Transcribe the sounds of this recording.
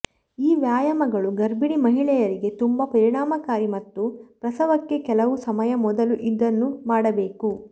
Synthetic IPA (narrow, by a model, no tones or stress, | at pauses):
iːʋjaːjɐmɐɡɐɭuɡɐɾbiɽimɐɦiɭɛjɐɾiɡe̞t̪umbɐpɐɾiɳaːmɐkaːɾimɐt̪ːupɾɐsɐʋɐkːe̞kɛlɐʋusɐmɐjɐmɔd̪ɐluʔid̪ːɐnːumaːɽɐbe̞ːku